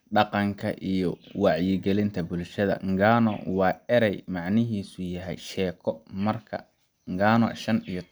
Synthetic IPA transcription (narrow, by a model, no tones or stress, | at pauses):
ɖɑqɑŋkʰɐ̰ʔijɔwɑʕjɪɡɛlɪnt̪ʰɐbʊlʃɐðɐ̰ŋɡaːnɔ̰wɑːɛɾɛjmɑʕnɪɦiːsʊjɐɦɛ̰jʃɛːkʰɔmɐrkʰɐ̰ | ŋɡaːnɔ̰ʃɐnijɔ